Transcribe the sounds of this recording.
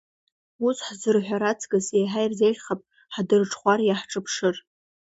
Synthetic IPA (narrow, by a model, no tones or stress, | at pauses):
usħzɨrħʷᶣaɾat͡sʰɡɨsejħajrzejʒʲχapʼ | ħdɨrʈ͡ʂʰʼχʷarjaħʈ͡ʂʼɨpʰʂɨr